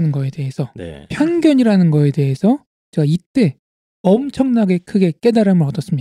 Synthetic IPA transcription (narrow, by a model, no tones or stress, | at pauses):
nɯnɡʌe̞de̞ɦesʰʌn̰pʰjʌnɡjʌɲiɾanɯnɡʌe̞de̞ɦesʰʌ | t͡ɕeɡait͈e̞ | ʌmt͡ɕʰʌŋnaɡe̞kʰɯɡe̞k͈e̞daɾamɯɾʌdʌs͈ɯmɲia